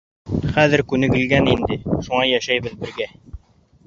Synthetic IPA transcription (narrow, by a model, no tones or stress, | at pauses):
χæðɘ̆ɾkʉnɘ̆ɡɘ̆lɡænind̪ɘʃuɴɑjæʃæjβɘðbɘ̆ɾɡæ